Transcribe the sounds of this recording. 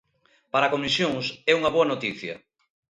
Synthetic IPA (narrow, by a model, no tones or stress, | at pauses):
paɾakomisjoŋsɛuŋɐβoɐnot̪iθjɐ̰